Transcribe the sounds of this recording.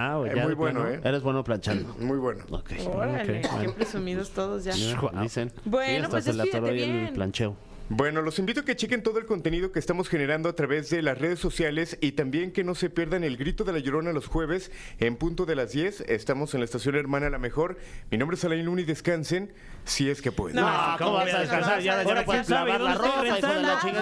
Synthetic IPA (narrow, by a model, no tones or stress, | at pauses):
aemujβwenoeeɾezβwenoplant͡ʃand̪omujβwe̞no̰o̰kḛjkeḛepɾesumiðost̪oðozʝaad̪isenbwenselt̪aɾaielplant͡ʃeo | bwe̞no̞lo̞simbit̪̬o̞aket͡ʃeke̞nt̪o̞ðoelko̞nt̪enið̞okeːst̪amo̞sxe̞ne̞ɾand̪oat̪ɾaβe̞zðe̞lasre̞ð̞e̞so̞sjale̞sit̪ambje̞ŋke̞no̞se̞pje̞ɾðane̞lɡɾit̪o̞ðe̞laʝoɾo̞nalosxwe̞β̞e̞se̞mpũnt̪o̞ðe̞lazðje̞se̞st̪amo̞senlaest̪asjo̞ne̞ɾmãnalame̞xo̞ɾ | minõmbɾesalailuniðe̞skanse̞n | sie̞ske̞pwḛðekoasaðeskansaaðaaɾeaaoeaai